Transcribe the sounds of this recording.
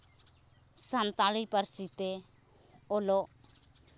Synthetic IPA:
sant̪alipəɾsit̪e | olo

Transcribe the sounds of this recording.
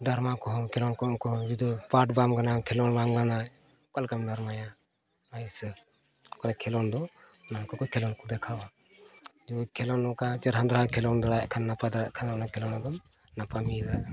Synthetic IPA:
daɾmakɔɦɔmkʰɛlɔnkɔnkɔd͡ʒid̪ɔpaʈbamɡanakʰɛlɔnbamɡana | kalkamdaɾmaja | aisɛ | kɔnɛkʰɛlɔnd̪ɔ | nakɔkɔjkʰɛlɔnkɔd̪ɛkʰawa | d͡ʒukʰɛlɔnːɔkat͡ʃɛɾɦand̪ɾaakʰɛlɔnd̪alajaʔkʰanːapad̪aɾa̰ʔkʰanaɔnakʰɛlɔnad̪ɔm | napamid̪a

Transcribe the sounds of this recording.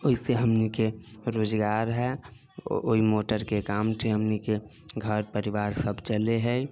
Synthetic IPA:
oːiseɦəmnikeɾoːd͡ʒɡaːɾɦɛ | oimoːʈəɾkekaːmʈʰeɦəmnike | ɡʱəɾpəɾɪʋaːɾsəbt͡ʃəleɦɛ

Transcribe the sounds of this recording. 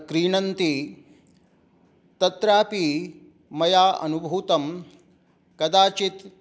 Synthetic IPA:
kɾiːɳɐnt̪i | t̪ɐt̪ɾaːpi | mɐjaːʔɐ̰nubʱuːt̪ɐm | kɐd̪aːt͡ʃit̪

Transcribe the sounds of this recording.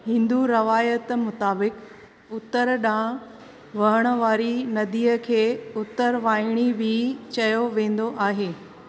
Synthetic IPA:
hɪ̃nd̪uɾɐʋaːjət̪mʊt̪aːbɪk | ʊt̪əɾɗãː | ʋɐɦəɽ̃ə̆ʋaːɾinɐd̪iːəkʰeːʊt̪əɾʋaːɪɽ̃ibʱɪt͡ɕɐjoʋẽːn̆d̪oʔaːɦeː

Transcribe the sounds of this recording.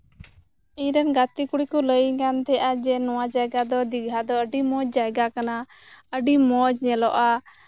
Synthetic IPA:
iɲɾɛnɡat̪ikuɽikɔləjɡant̪ɛʔad͡ʒɛnɔwad͡ʒajɡad̪ɔd̪iɡʱad̪ɔəɖimɔd͡ʒd͡ʒajɡakana | əɖimɔd͡ʒɲɛlɔʔa

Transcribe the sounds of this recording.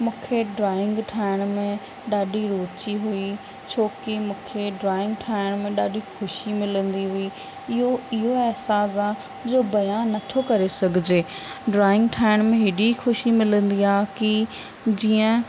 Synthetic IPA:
mũːkʰeɖɾaːɪ̃ŋɡʈʰaːɪɽ̃mẽ | ɗaːɖʱiɾoːt͡ɕiɦui | t͡ɕʰoːkimũːkʰeɖɾaːɪ̃ŋɡʈʰaːɪɽ̃mẽɗaːɖʱixʊʃimɪlə̃nd̪iɦʊi | ɪɦoɪɦoɛɦsaːs̬a | d͡ʑoːbɐjaːnːɐt̪ʰokɐɾesɐɡʱɪd͡ʑeːɖɾaːɪ̃ŋɡʈʰaːɪɽ̃mẽɦɪɖixʊʃimɪlə̃nd̪iaːki | d͡ʑiːə̃

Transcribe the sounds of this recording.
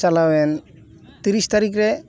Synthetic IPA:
t͡ʃalawɛn | t̪iɾist̪aɾik̬ɾɛ

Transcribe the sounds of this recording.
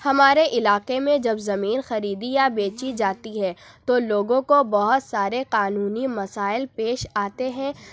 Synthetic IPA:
hɐmaːɾeʔɪlaːqemẽd͡ʒɐbzɐmiːnxɐɾiːd̪ijabeːt͡ʃid͡ʒaːt̪iɦɛ̃t̪oloːɡõkobɐɦʊt̪saːɾeqaːnuːnimɐsaːɪlpeːʃaːt̪eɦɛ̃ː

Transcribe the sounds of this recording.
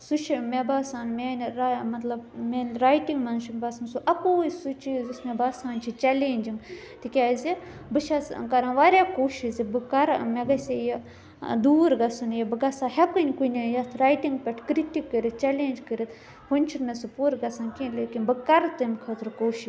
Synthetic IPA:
sut͡ʃʰimebaːsaːnmʲenɾmɐt̪lɐbmʲenʲɾaːjʈiŋɡmɐnt͡ʃʰimbɐsɐmsuʔɐkoːisut͡ʃiːzusmebaːsaːnt͡ʃʰit͡ʃɛleːnʲd͡ʒiŋɡ | t̪ikʲaːzi | bɨʃɐskɐɾanʋaːɾʲjaːkoːʃizibɨkɐɾmeɡɐsʲej | d̪uːɾɡɐsɐnjɐbɨɡɐsaːhɛkɨnʲkunʲjɐt̪ʰɾaːjʈiŋɡpʲɛʈʰkɾiʈikːəɾit̪t͡ʃɛleːnʲd͡ʒkəɾit̪ | hunʲt͡ʃʰinɐsɨpuɾɡɐsaːnkʲĩnleːkinbɨkɐɾt̪ɨmʲkʰɐt̪ɾkoːʃi

